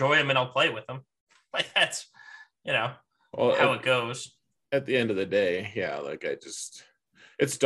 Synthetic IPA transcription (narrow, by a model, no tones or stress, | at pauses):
ɔɪɨ̃mɨ̃naɪlˠpʰl̥eɪt̚wɨð̥ə̃m | laɪk̚ðætsjɨnoʊ | wɛ̰lˠhaʊɨt̚ɡ̥oʊz̥ | ɨt̪̚ðiɛ̃ndʌvðɨdeɪjæ̰la̰ɪkaɪd͡ʒʌst̚ | ɨtsd̥